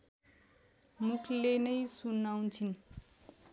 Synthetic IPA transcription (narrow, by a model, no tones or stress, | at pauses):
mukʰlenʌjsunawnt͡sʰin